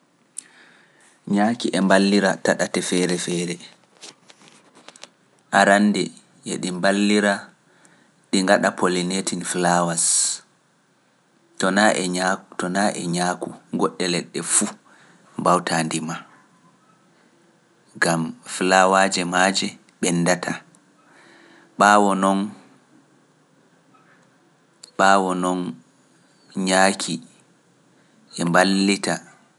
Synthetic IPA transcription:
ɲaːkiʔɛmbalːiɾataɗatɛfɛɾɛfɛːɾɛ | ʔaɾandɛ | ɛɗimbalːiɾa | ɗiŋɡaɗapʰolinetinflawas | tɔnaʔɛatɔnaʔɛ̰ɲaːkuɡɔɗːɛlɛɗːɛfu | mbawtʰaːndima | ɡamflawad͡ʒɛmaːd͡ʒɛ | ɓɛnːdatʰa | ɓaːwɔnɔn | ɓaːwɔnɔn | ɲakʰi | ɛmbalːita

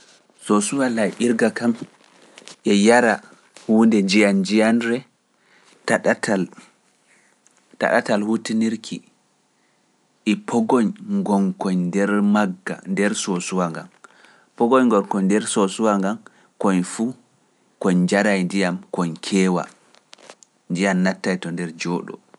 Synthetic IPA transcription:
sosuwalajʔiɾɡakam | ʔɛjaɾa | hundɛd͡ʒijand͡ʒijanɾɛ | taɗatal | ta̰ɗa̰talhutiniɾkʰi | ʔɛpʰɔɡɔɲŋɡɔŋkɔɲndɛɾmaɡːa̰ndɛɾsosuwaŋɡa̰m | pɔɡɔɲŋɡɔnkɔɲdɛɾsosuwaŋɡam | kɔɲfu | kɔɲd͡ʒaɾajndijamkɔɲkʰɛːwa̰ | nd͡ʒijanːatːajtɔndɛɾd͡ʒɔːɗɔ̰

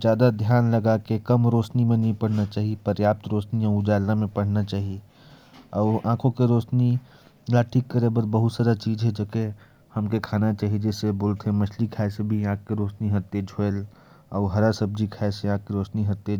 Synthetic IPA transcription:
d͡ʒjaːd̪ad̪ʱjaːnlɐɡakekɐmɾoːʃnimẽnɐɦĩpəɽ̤nat͡ʃaːɦiepəɾjaːp̚t̪ɾoːʃnijãʊd͡ʒaːlnamẽpɐɽ̤nat͡ʃaːɦie | ɔːɾãːkʰõkeɾoːt͡ʃni | laʈʰiːkːəɾebəɾbəɦʊt̪saːd̪at͡ʃiːd͡ʒɦɛd͡ʒɐke | hɐmkekʰaːnat͡ʃaːɦied͡ʒɛːseboːlt̪ɦɛ̃mɐʃʰlikʰaːesebʱiãːkkeɾoːt͡ʃniɦɐt̪ːed͡ʒʱoel | ɔːɦəɾaɾsəb̚d͡ʒikʰaːeseãːkkeɾoːt͡ʃniɦət̪ːe

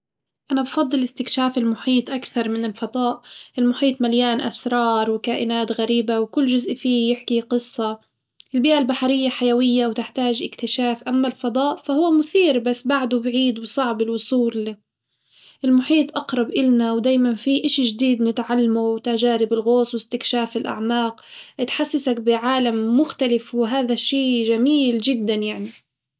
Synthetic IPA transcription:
ʔanabfɑd̪ˤːɨlɪst̪ɪkʃaːfɪlmʊħiːt̪ˤʔakθɑɾˤmɪnɪlfɑd̪ˤɑːʔʔɪlmʊħiːt̪ˤmaljaːnʔa̰sɾˤɑːɾˤwkaːʔɪnaːt̪ɣaɾiːbawkʊlːʒʊzʔfiːjɪħkiqɨsˤːɑ | ʔɪlbiːʔalbaħaɾɪjːaħajawɪjːawt̪ɪħt̪aːʒɪ̰kt̪ɪʃaːfʔamːalfɑd̪ˤɑːʔfahʊwːamʊθiːɾbasːbaʕd̪ʊbʕiːd̪wsˤɑʕbɪlwʊsˤuːɾli | ʔɪlmʊħiːt̪ˤʔɑqɾˤɑbʔɪlnawd̪aːjmanfiʔɪʃiʒd̪iːd̪nɪt̪ʕalːamuwt̪aʒaːɾɪbɪlɣoːsˤwɪst̪ɪkʃaːfɪlʔa̰ʕmaːqʔɪt̪ħasːasakbɪʕaːlamːʊxt̪alɪfwɪɦaːðaʃːiːʒamiːlʒɪd̪ːanjaʕni

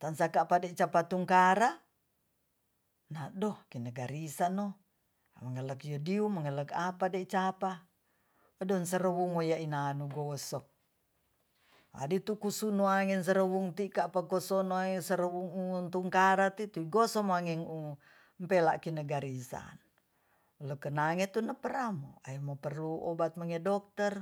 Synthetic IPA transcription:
t̪ansakapadet͡ʃapat̪uŋkaɾa | nadɔhkinəɡaɾisano | məŋələkjodiuməŋələkapadet͡ʃapa | ədɔnsəɾəwuŋojainanuɡosɔk̚ | a̰dit̪ukusunoaŋɛns̬əɾəwuŋt̪ikapakosɔnoasəɾəwuŋunt̪uŋkaɾat̪it̪uiɡosɔmaŋɛŋu | mpela̰ʔkinəɡaɾisa̰n | ləkənaŋɛt̪unapəɾamo̰a̰jmopərluɔ̰bat̪̚maŋɛdɔk̚t̪ər

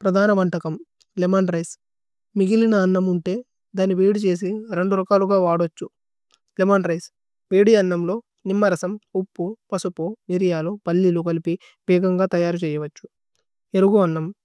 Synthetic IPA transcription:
pɾɐd̪ʱaːnɐʋɐɳʈɐkɐm | lemɐːnɾɐjs | miɡilinɐːnːɐmuɳʈe̞ː | d̪aːnːiʋeːɽit͡ʃe̞ːs̬iɾe̞ɳɖuɾɐkaːluɡaːʋaːɽot͡ʃːu | lemaːnɾɐjs | ʋeːɽijɐnːɐmlo̞ː | nimːɐɾɐsɐmupːupɐsupoːiɾijaːloːpɐlːilukɐlipi | bɛːɡɐŋɡaːt̪ɐjaːɾut͡ʃɛːjɐʋɐt͡ʃːu̥ | eluɡuɐnːɐm

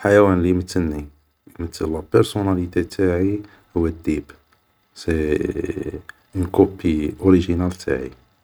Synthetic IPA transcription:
ħajæwænlimət̪ːənːi | mət̪ʰːəlːæpəɾsunælit̪æt̪ʰaʕi | hʊwːəd̪ːib | se | nkopːiʔoɾiʒinælt̪ʰa̰ʕḭ

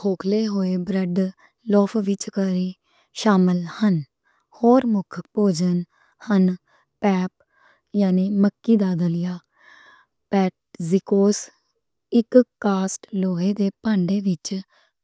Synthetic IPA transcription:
hʰoːkʰleːɦoːeːbɾəɖ | lɔːfʰʋɪt͡ʃkəɾiː | ʃaːməlhən | hoːɾmʊkʰpoːd͡ʒən | hən | pɛːp̚ | jaːniːməkːiːd̪aːd̪əlɪjaː | pɛːʈzikoːs | ɪkkaːsʈloːɦeːd̪eːpaːɳɖeːʋɪt͡ʃ

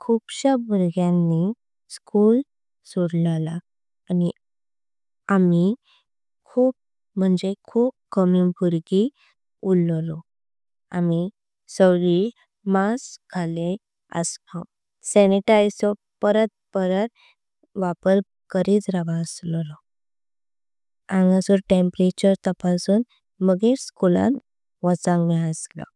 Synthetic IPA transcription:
kʰuːbɕabuɾɡjanːi | skuːl | suɽlalaː | ni | ami | kʰuːp̚ | m̤əɳd͡zekʰuːp̚kəmibʱuɾɡi | ullɔ | a̰mi | səwɭi | masɡʰʱale | ə̰stɔ | sɛniʈajsɔ | pəɾət̪̚pəɾəɾ | ʋapəl | kəɾid͡zɾaʋaslɔlɔ | ãŋɡasuɾʈempɾet͡ɕəɾt̪əpasuːn | məɡeɾskulã̰n | ʋət͡sãŋɡmiəslɔ̰

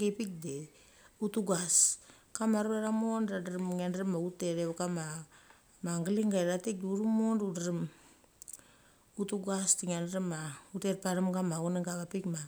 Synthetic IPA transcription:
ɡepik̚de | utuɡas | kamaɾueɾamonɾadaɾimŋendɾimauteɾeβkama | maŋɡaliŋɡaɾatek̚duɾumonɾudaɾim | utuɡastiŋanɾimauteɾpaɾamɡamauneŋɡaβapikma

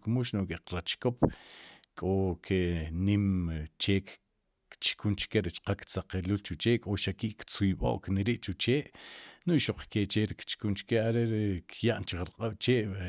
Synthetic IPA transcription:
kmuʃnoʔkʼeqɾat͡ʃkop | kʼokʰeʔnimt͡ʃeːk | t͡ʃkunt͡ʃkeɾit͡ʃqakt͡saqeluːlt͡ʃut͡ʃeːʔkʼoʃakiʔkt͡sujɓo̰ʔkneɾiʔt͡ʃut͡ʃeːʔnuʔʃoq͡χket͡ʃeɾikt͡ʃkunt͡ʃkeaɾeɾkʰjaʔnt͡ʃikɾaqʼaɓ̥t͡ʃeːʔ

